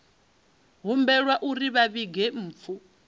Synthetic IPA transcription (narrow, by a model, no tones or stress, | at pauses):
ɦumbɛɺwaʔuɾiβaβiɡɛm̩ːfʰu